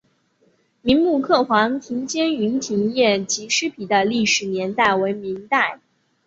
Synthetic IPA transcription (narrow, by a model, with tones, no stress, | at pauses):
mi˧˥ŋmu˥˧kʰɤ˥˩xwɑ˧˥ŋt̪ʰi˧˥ŋt͡ɕjɛ˥ny˧˥nt̪ʰi˧˥ŋjɛ˥˩nt͡ɕi˧˥ʂɻ̩˥pʰi˨˩d̪ə˦li˥˩ʂɻ̩˨˩njɛ˧˥nt̪a˥˩ɪwe˧˥ɪmi˧˥ŋt̪a˥˩ɪ